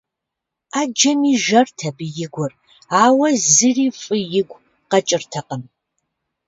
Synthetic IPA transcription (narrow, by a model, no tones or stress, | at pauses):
aːd͡ʒɐmiːʒɐrtʰɐbɨjɪɡʷʊr | aːwɐzɨriːfʼɨjɪɡʷ | qɐt͡ʃʼɪrtʰɐqəm